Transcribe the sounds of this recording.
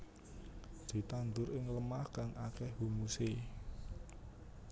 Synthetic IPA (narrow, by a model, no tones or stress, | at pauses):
d̪̥i̤t̪and̪ʊɾɪŋləmahkaŋʔakɛhhumuse